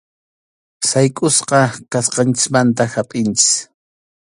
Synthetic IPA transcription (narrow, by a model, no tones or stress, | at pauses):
sajkʼʊsqɑkasqɑnt͡ʃɪ̥smant̪ahapʼɪnt͡ʃɪ̥s